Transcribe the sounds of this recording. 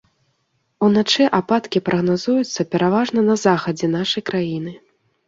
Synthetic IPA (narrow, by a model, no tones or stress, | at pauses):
unat͡ʂɛʔapat̪kʲipɾʔɐɣnazujut̪sːɐpʲɛɾavaʐnɐnɐzaxɐd͡zʲɛnaʂɐjkɾajinɨ